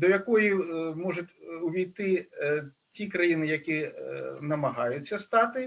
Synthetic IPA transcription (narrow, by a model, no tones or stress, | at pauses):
d̪ɐjakɔjimɔʐɐtʲwvʲijt̪ɪ | t͡sʲikɾajinɨjɐkʲinɐmɐɦajut͡st͡sʲːɐst̪at̪ɨ